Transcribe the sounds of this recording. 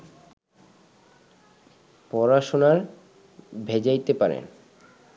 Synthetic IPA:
pɔɾaʃonaɾ | bʱed͡ʑajt̪epaɾḛn

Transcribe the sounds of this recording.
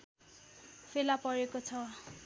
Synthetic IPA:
fʰelapʌɾekot͡sʰʌ

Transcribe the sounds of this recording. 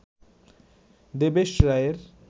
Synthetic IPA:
d̪ebeʃɾaeɾ

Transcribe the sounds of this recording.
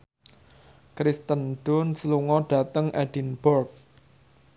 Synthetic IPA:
kɾist̪ənɖ̥ʊnsluŋɔɖ̥ä̤t̪əŋʔɛɖ̥inb̥ɔrk̚

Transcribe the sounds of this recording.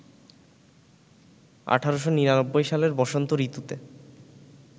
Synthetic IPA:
a̰ʈʰaɾoʃoniɾanobːojʃaleɾbɔʃont̪oɾit̪ut̪e

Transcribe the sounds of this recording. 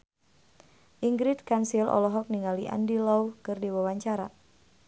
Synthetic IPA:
ʔiŋɡɾit̪̚kansilʔɔ̰lɔɦɔk̚niŋaliʔa̰ndilɔukɨrdiwawaɲt͡ʃaɾa

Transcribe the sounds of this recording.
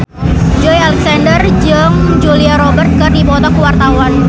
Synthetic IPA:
d͡ʒɔjalɛksandərd͡ʒəŋd͡ʒuliaɾɔbərt̪̚kɨrdibɔt̪ɔkuwart̪awan

